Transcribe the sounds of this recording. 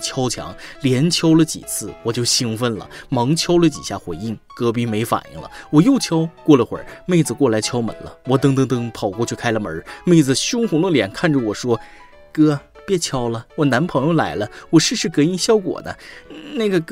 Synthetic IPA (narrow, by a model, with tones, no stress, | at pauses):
t͡ɕʰjɑ˥ʊt͡ɕʰjɑ̰˧˥ŋljɛ˧˥nt͡ɕʰjɑ˥ʊlə˨t͡ɕḭ˨˩t͡sʰɹ̩˥˩wɔ˨˩t͡ɕjo˥˩ʊɕi˥ŋfə˥˩nlə̰˩mɤ˧˥ŋt͡ɕʰjɑ˥ʊlə˨t͡ɕḭ˨˩ɕja˥˩xwe˧˥ɪi˥˩ŋkɤ˥p̬i˥me˧˥ɪfa̰˨˩njḭ˥˩ŋlə̰˦wɔ˨˩jo˥˩ʊt͡ɕʰjɑ˥ʊkwɔ˥˩lə˩xwə̰˨˩˥me˥˩ɪd͡zɹ̩˨˩kwɔ˥˩la˧˥ɪt͡ɕʰjɑ˥ʊmə̰˨˩nlə̰˦wɔ˨˩t̪̬ɤ˥ŋt̪ɤ˥ŋt̪ɤ˥ŋpʰɑ˨˩ʊkɔ˥˧t͡ɕʰy˥˩kʰa˥ɪlə˨mə̰˞˧˥me˥˩ɪd͡zɹ̩˨˩ɕʊ˥ŋxu˧˥ŋlə˥˩ljɛ̰˨˩nkʰa˥˩nʈ͡ʂə˩wɔ˨˩ʂwɔ˥ | kɤ˥˧ | pjɛ˥˩t͡ɕʰjɑ˥ʊlə˨wɔ˨˩na˧˥npʰɤ˧˥ŋjo˧ʊla˧˥ɪlə˦wɔ˨˩ʂɻ̩˥˧ʂɻ̩˥˩kɤ˧˥i˥nɕjɑ˥ʊkwɔ̰˨˩d̪ə̰˦na˥˩ɡə˩